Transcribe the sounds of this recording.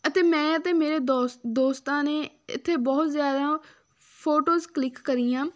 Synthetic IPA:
ət̪eːmɛ̃ːət̪eːmeːɾeːd̪ɔːd̪oːst̪ãːneː | ɪ̰t̪ʰːeːbɔːt̪zjaːd̪ãː | pʰoːʈoːzklɪkːəɾiːjãː

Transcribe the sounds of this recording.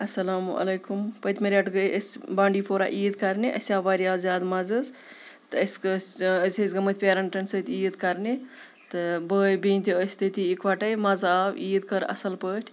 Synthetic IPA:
ɐsɐlaːmɐ̰lɐjkumpət̪ʲmɐɾʲaʈɡəjʔəsʲbãːɳɖiːpʰoːɾa̰ʔiːd̪kɐɾniʔɐ̰sʲaːʋaɾijaːzʲjaːd̪mɐzɨz | t̪ɨəsʲkɨsəzʲəzʲɡɐmət̪ʰʲpʲeːɾɐɳʈɐnsəːt̪ʲiːd̪kɐɾni | t̪ɨbəːjbiːnʲt̪ʲiəsʲt̪ət̪iːkʋaʈɐjmɐzaːwiːd̪kəɾɐ̰sɐlpəːʈʰʲ

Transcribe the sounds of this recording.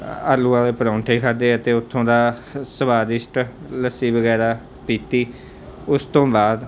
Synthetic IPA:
əɾluːãːleːpəɾãːʊɳʈʰeːkʰəɾd̪eːət̪eːʊt̪ʰːõːd̪aːsəbaːd̪ɪsʈ | ləsːiːbəɡɛːɾaː | piːt̪iː | ʊst̪õːbaːd̪

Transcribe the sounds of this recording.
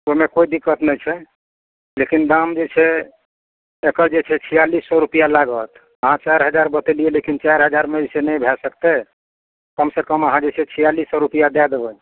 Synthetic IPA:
omekoid̪ikːət̪nɛjt͡ʃʰɛ | lekind̪amd͡ʒet͡ʃʰɛ | ekəɾd͡ʒet͡ʃʰɛt͡ʃʰijalisːɔɾupijalaɡət̪ʰ | əɦãt͡ʃaɾɦəd͡ʒaɾbət̪elielekint͡ʃaɾɦəd͡ʒaɾmed͡ʒesenɛjbʱɛsəkt̪ɛ | kəmsekəməɦãd͡ʒet͡ʃʰɛt͡ʃʰijalisːɔɾupijad̪ad̪ebə

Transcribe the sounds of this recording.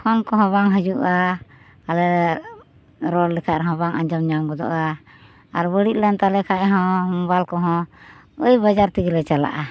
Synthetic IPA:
kʰɔnkɔɦɔ̃βaŋɦəd͡ʒuʔa | alɛ | ɾɔllɛkʰaʔɾɛɦɔ̃baŋʔa̰ɲd͡ʒɔmɲamɡɔd̪ɔ̰ʔa | aɾbəɽit̪̚lant̪alɛkʰaʔɦɔ̃mɔbalkɔɦɔ̃ | əjbad͡ʒaɾt̪iɡlɛt͡ʃala̰ʔa

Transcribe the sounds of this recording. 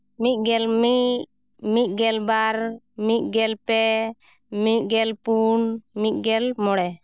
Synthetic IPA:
mit̪̚ɡɛlmiʔ | miʔ̪̚ˀɡɛlbaɾ | miʔ̪̚ˀɡɛlpɛ | miʔ̚ɡɛlpunmit̪̚ˀɡɛlmɔɽɛ

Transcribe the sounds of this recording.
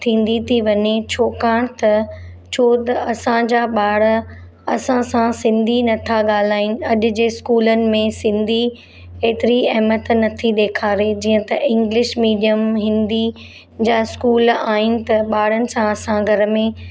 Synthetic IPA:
t̪ʰĩːn̆d̪it̪ʰiʋɐɲet͡ɕʰoːkaːɽ̃t̪ɐ | t͡ɕʰoːt̪ɐɐsãd͡ʑaːɓaːɽə̆ | ɐsãsãsɪ̃nd̪ʱinɐt̪ʰaɠaːl̤aːɪnɪ̆ɐʄʊ̆d͡ʑeːskuːlənɪ̆mẽsɪ̃nd̪ʱi | eːt̪ɪɾiɐɦmət̪nɐt̪ʰiɗ̪eːkʰaːɾed͡ʑiːə̃t̪ɐʔɪ̃ŋɡlɪʃmiːɖijəmɦɪ̃nd̪i | d͡ʑaːɪskuːlaːɦɪnɪ̆t̪ɐɓaːɽənɪ̆sãɐsãɡʱɐɾmẽ

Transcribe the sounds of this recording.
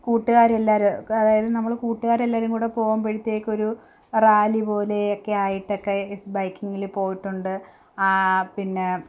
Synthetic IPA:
kuːʈːuɣaːɾe̞lːaːɾuɐðaːjɐðɨnɐmːɐɭkuːʈːuɣaːɾe̞lːaːɾumkuːɽe̞po̞ːɣumpeɽit̪ːe̞ːkːo̞ɾu | raːlipo̞ːle̞okːe̞aːjiʈːo̞kːe̞sbɐjkːiŋːilpo̞ːjiʈːuɳɖɨ | apinːe̞

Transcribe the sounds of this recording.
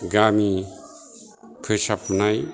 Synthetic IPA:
ɡami | pʰɯsapʰunaj

